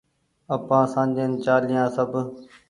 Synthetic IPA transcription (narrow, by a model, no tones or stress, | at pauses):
əpãːsãːnd͡ʒent͡ʃaːlɪjãːsəbʱ